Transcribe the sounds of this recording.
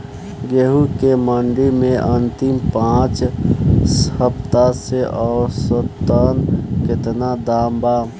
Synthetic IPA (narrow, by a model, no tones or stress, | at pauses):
ɡeɦukeməɳɖimẽʔənt̪impãt͡ʃ | səpt̪aseʔɔːɾsəp̚t̪ənkɪt̪nad̪aːmba